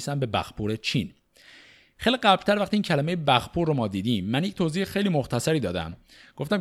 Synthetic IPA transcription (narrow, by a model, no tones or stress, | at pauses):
sæmbe̞bæ̰xpʰuːɾet͡ʃʰin | xejliɡɢæblt̪æɾvæxχt̪iːncʰælæme̞jebæxpʰuːɾːomɒːd̪iːd̪iːmːænjecʲt̪ʰoːziːhexejliːmoxt̪ʰæsæɾiːd̪ɒːd̪æ̰m | ɡ̥o̞ft̪æm